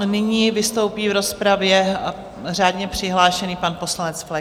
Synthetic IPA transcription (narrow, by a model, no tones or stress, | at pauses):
nɪɲiːvɪst̪o̞wpiːvɾo̞spɾavjɛ | r̝aːdɲɛpr̝̥ɪɦlaːʃɛniːpanpo̞slanɛt͡sflɛ